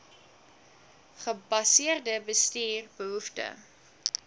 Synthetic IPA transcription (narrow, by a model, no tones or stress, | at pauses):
χəbɐsiərdəbəstiːrbəɦuftə̰